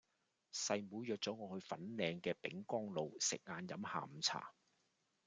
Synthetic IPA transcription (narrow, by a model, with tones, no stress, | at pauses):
sɐ˨jmuː˨˥jjœː˨k̚t͡sɔː˨˥ŋɔː˨˧hɵ˧ɥfɐ˨˥nlɛː˧ŋkɛː˧pɪ̰˨˥ŋkɔː˥ŋlo˨wsɪ̰˨k̚ŋaː˧njɐ˨˥mha̰ː˨m̩˨˧t͡sʰa̰ː˨˩